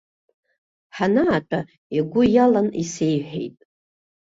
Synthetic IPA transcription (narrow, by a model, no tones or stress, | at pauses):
ħanaːtʰʼa | eɡʷʊjalanise̞jħʷᶣḛjtʼ